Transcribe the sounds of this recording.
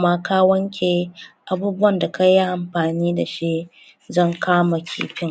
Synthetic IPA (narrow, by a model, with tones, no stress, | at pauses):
maː˦kaː˦wɐ˦ŋkʲʰeː˨ʔa˦buː˦bʊ˦wɐ˨nda˨kɐ˦ja˦ʔa˨mɸaː˨niː˦da˨ʃi˦ | zɐ˦˨ŋkʰaː˦ma˨kʲʰḭː˦ɸɪ˦ŋ